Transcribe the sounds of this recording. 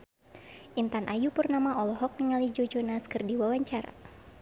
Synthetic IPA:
ʔint̪anʔajupurnamaʔɔlɔɦɔk̚nəŋalid͡ʒod͡ʒɔnaskɨrdiwawaɲt͡ʃaɾa̰

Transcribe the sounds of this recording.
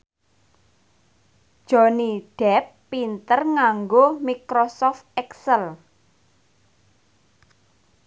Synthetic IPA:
d̥ʒ̥ɔ̤niɖ̥ɛpːint̪ərŋaŋɡomikɾosɔft̪̚ɛksəl

